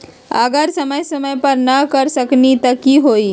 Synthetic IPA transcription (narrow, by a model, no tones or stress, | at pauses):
ə̰ɡəɾsəməjsəməjpəɾnəkəɾsəknit̪əkiɦoi